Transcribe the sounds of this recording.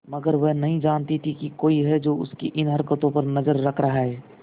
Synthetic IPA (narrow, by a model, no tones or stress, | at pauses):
məɡəɾʋɛɦnəɦĩd͡ʒaːnt̪it̪ʰikikoːiɦɛd͡ʒoːʊskiʔɪnɦɐɾkət̪õpəɾnəzəɾːəkʰɾɐɦaɦɛː